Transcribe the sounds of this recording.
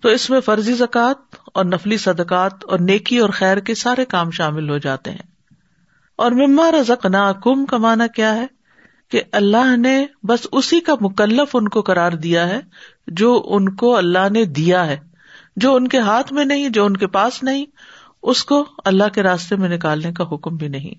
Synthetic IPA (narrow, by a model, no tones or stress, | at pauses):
t̪oːɪsmẽfɐɾzizɐkaːt̪̚ɔːɾnɐflisɐd̪əkaːt̪ɔːɾneːkiɔːɾxɛːɾkesaːɾekaːmʃaːmɪlɦod͡ʒa̰ːt̪ḛɦɛ̰̃ː | ɔːɾmɪmːaɾɐzəqnaːkuːmkamaːnakjaːɦɛ | keʔɐlːaɦnebɐsʊsikamʊkəlːəfʊnkoqɐɾaːɾd̪ijaɦɛ | d͡ʒoːʔʊnkoɐlːaɦned̪ijaɦɛː | d͡ʒoːʊnkeɦaːt̪ʰmẽnɐɦĩd͡ʒoːʊnkepaːsnɐɦĩ | ʊskoɐlːaɦkeɾaːst̪emẽnɪkaːlnek̬aɦʊkmbʱinɐɦḭ̃